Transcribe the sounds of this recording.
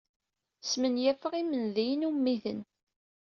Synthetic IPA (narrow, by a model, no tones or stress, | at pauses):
smənjæfəʁimənðijənumːiθən